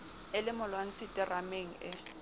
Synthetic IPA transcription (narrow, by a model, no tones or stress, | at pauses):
ɪlɪmʊlwan̩t͡sʰɪtʼɪrameŋ̩ɪ